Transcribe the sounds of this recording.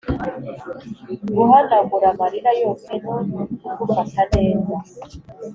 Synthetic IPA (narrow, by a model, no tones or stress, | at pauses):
ɡuɦanaɡuɾamaɾiɾajoːsenokuɾataneːza